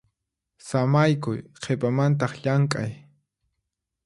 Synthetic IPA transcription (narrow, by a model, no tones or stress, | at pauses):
samajkʊjqʰepamant̪ɑχʎaŋkʼa̰j